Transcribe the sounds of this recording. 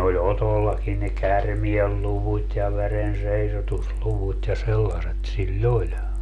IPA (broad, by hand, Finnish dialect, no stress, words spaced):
olʲ otolːɑkin ne kærmielːuʋutʲ jɑ ʋerenseisotusluʋut jɑ selːɑset silʲl olʲ